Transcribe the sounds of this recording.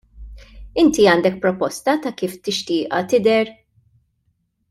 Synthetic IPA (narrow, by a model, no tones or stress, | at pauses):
ɪnt̪iɐːnd̪ɛk̚pɾɔpɔst̪ɐt̪ɐkiːft̪ɪʃt̪ɪːʔɐt̪ɪd̪ɛɾ